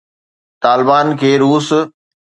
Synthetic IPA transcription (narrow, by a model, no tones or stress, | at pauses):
t̪aːlɪbaːnkʰeːɾuːs